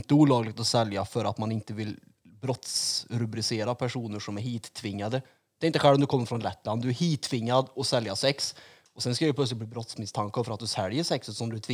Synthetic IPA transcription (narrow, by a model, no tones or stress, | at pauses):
nt̪əuːlɑːɡlɪɡ̚t̪ɔsɛljafœɾat̪manɪnt̪əvɪl | bɾɔt̪sɾɵbɾɪseːɾapʰæʂuːnəʂɔmæɾɦiːt̪ʰːvɪŋːad̪ə | d̪̥ɛːɪnt̪əɧɛlɔmd̪ɵkɔmːəɾfɾɔnlɛt̪ːland̪d̪ɵæɾhiːt̪ʰːvɪŋːad̪ɔsɛljasɛks | ɔsɛnskajɛp̪ʰœtslɪt̪̚b̪iːbɾɔt̪smɪst̪ʰaŋkafœɾat̪̚d̪ʉsɛljəʂɛksɛʂɔmd̪ɵæt̪ʰvɪ